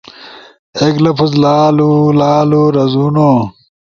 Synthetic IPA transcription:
eklɐpʰuzlaːlulaːluɾɐzuːnoː

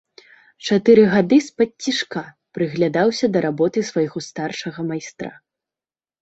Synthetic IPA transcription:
t͡ʂat̪ɨɾɨɣad̪ɨspɐtʲːiʂka | pɾɨɣlʲad̪awsʲɐd̪ɐɾʔabɔt̪ɨsvajɣɔst̪arʂɐɣɐmajst̪ɾa̰

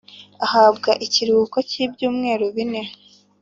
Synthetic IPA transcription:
ahaːbɡaʔiciɾukocibɟuːmŋe̞ːɾoβine

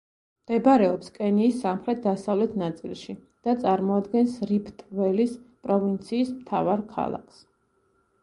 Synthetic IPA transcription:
d̪̥ɛbaɾɛɔpskʼɛniːsːamχɾɛt̪̚d̪asavlɛt̪ʰnat̪sʼilˠʃi | d̪̥at̪sʼaɾmɔad̪ɡɛnsɾipʰt̪ʼvɛlispʼɾɔvint̪sʰiːsmt̪ʰa̰vaɾkʰa̰lˠa̰kʰs

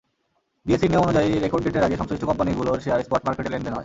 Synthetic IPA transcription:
biesiɾniomonud͡ʑaiɾekoɾɖɖeʈeɾaɡeʃɔŋsɾiʃʈokɔmpaniɡuloɾʃeaɾespɔʈmaɾkeʈeleɳɖenɦɔe

